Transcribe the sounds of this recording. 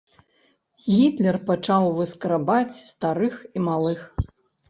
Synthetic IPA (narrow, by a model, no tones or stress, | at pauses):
ɣʲit̪lʲɛrpat͡ʂawvɨskɐɾabat͡sʲst̪aɾɨximalˠɨx